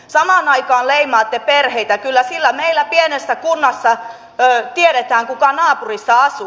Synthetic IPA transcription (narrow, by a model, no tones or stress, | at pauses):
sɑmɑːnɑikɑːlleimɑːt̪ːeperheit̪ækylːæsilːæmeilːˑæpienesːækunːɑsːɑ | t̪ieɾet̪æːŋkukɑnɑːpurisːɑɑsu